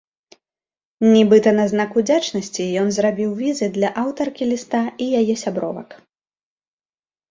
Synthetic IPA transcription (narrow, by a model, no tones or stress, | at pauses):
nʲibɨt̪ɐnɐznakud͡zʲat͡ʂnɐsʲt͡sʲijɔnzrabʲiwvʲizɨd̪lʲɐʔawt̪ɐrkʲilʲist̪aijajɛsʲabɾɔ̰vɐ̰k